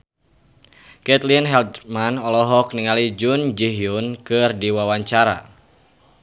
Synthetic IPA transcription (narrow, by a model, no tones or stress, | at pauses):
kɛt̪linɦɛld̪manɔlɔɦɔk̚niŋalid͡ʒund͡ʒiɦiunkɨrdiwawaɲt͡ʃaɾa̰